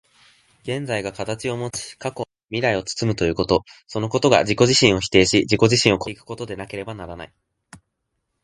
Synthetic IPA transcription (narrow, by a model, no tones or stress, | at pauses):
ɡ̥ẽ̞nd͡zaiɡakat̪at͡ɕio̞mo̞t͡sɨ̥kako̞ | mʲiɾaio̞t͡sɨ̥t͡sɨmɯ̟t̪o̞jɯ̟ːko̞t̪o̞so̞no̞ko̞t̪o̞ɡa̰ʑiko̞ʑiɕĩɰ̃o̞çi̥t̪e̞ːɕid͡ʑiko̞ʑiɕĩɰ̃o̞kʰoikɯ̟̥ko̞t̪o̞d̪e̞nake̞ɾe̞banaɾana̰i